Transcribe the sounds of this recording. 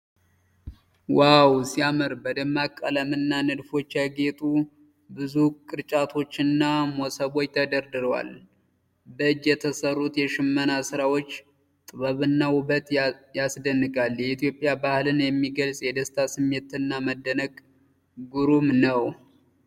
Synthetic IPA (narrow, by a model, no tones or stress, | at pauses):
wawsiamɨɾbəd̪əmːakʼːələmɨnːanɨd̪fo̞t͡ʃːjaɡet̪ʼu | bɨzukʼɨɾt͡ʃʼat̪ʰo̞t͡ʃːɨnːamosəβo̞t͡ʃːt̪ʰəd̪əɾd̪ɨɾəwa̰l | bəɨd͡ʒːjɛt̪ʰəsərːut̪jɛʃɨmːənasɨɾawo̞t͡ʃː | t̪ʼɨβəβɨnːawuβət̪jasd̪ənːɨkʼaljɛit̪ʰijo̞pʼjabahlɨnjɛmːiɡəlsʼjɛd̪əst̪ʰasɨmːe̞t̪ʰɨnːaməd̪ːənəɡ | ɡuɾumnəw